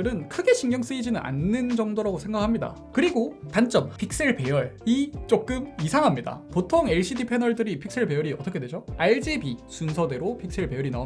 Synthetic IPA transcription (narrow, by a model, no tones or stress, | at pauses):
ɯɾɯnkʰɯɡe̞ɕʰinɡjʌŋs͈ɯid͡ʑinɯnʔa̰nːɯnd͡ʑʌŋdoɾaɡosʰe̞ŋɡakʰamɲida̰ | kɯɾiɡopant͡ɕ͈ʌmpʰik̚s͈e̞ɭpe̞jʌɭit͡ɕ͈ok̚k͈ɯmisʰaŋɦamɲida̰potʰoŋe̞ɭɕ͈ʰidipʰe̞nʌɭdɯɾipʰik̚s͈e̞ɭpe̞jʌɾiʌt͈ʌkʰedwe̞d͡ʑoaiɭd͡ʑibisunsʰʌde̞ɾopʰik̚s͈e̞ɭpe̞jʌɾina